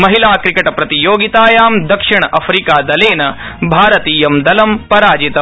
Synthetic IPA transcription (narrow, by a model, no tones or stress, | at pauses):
mɐɦilaːkɾikɐʈɐpɾɐt̪ijoːɡit̪aːjaːmd̪ɐkʂiɳ̃ɐʔɐfʰɾikaːd̪ɐleːnɐ | bʱaːɾɐt̪iːjɐmd̪ɐlɐmpɐɾaːd͡ʒit̪ɐ